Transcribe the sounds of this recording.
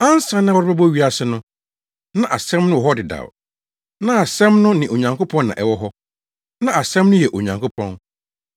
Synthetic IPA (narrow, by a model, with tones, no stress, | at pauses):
ã˦n˦sã˦nɪ̃˦wɔ˦ɾba˦bɔ˦ɥi˦a˨sɪ˦nʊ̃˦ | nã˦ʔa˨sɛ̃˦mnʊ̃˦wɔ˨ɦɔ˦dɪ˨da̰˨w | nã˦a˨sɛ̃˦mnʊ̃˦nɪ̃˨o˨ɲã˨ŋkʰo˦pʰɔ̃˦nːã̰˨ʔɛ˨wɔ˦ɦɔ˦ | nã˦a˨sɛ̃˦mnʊ̃˦jɛ˨ʔo˨ɲã˨ŋkʰo˦pʰɔ̃˦n